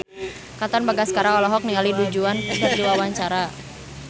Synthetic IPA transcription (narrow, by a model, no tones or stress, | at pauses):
kat̪ɔnbaɡasəkaɾaŋɔlɔɦɔk̚niŋalidud͡ʒuankətiwawaɲt͡ʃaɾa